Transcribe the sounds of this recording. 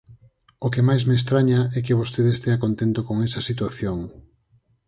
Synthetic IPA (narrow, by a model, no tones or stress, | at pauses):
okemajzmest̪ɾaɲaɛkeβost̪eðest̪eakont̪ent̪okoŋɛsɐsit̪waθjoŋ